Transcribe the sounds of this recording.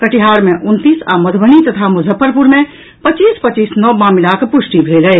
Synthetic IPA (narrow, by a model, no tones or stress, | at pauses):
kəʈiɦaːɾmeʔʊnt̪iːsa̰məd̪ʱbʱənit̪ət̪ʰamuzʱəpːəɾpuɾmẽ | pət͡ʃiːspət͡ʃiːsnɔbãmilakpʊsʈibʱɾeləe